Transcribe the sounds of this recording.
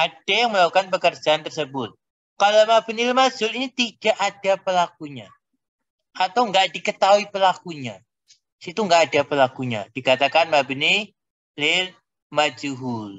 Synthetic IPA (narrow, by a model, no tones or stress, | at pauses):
ʔad̥ajaŋməlakukanpəkərd͡ʒaant̪ərsəbʊt̪̚ | kalamabənilmad͡ʒʊlinit̪idaʔadapəlak̚uɲa | at̪awŋɡaʔdikət̪aɦuipəlakuɲa | sit̪uŋɡaːdapəlakuɲa̰d̥ikat̪akanmabəni | lɪl | mad͡ʒuɦʊl